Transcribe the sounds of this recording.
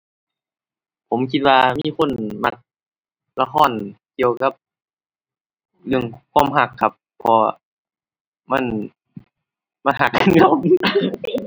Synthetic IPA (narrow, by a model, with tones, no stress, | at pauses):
pʰo˨˦mkʰi˧t̪̚waː˧miː˧˥˨kʰo˧˥˨nma˧˩k̚ | la˧xʰɔː˧˥˨nki˧əwka˧˥˦p̚ | lɯ˧˩əŋkʰwaː˧˥˨mɦa˧˩kʰːa˧˥p̚ʰːɔ˧ | ma˧˥˨n | ma˧˥˨nɦa˧˩k̚ːa˧˨nkʰa˧˩w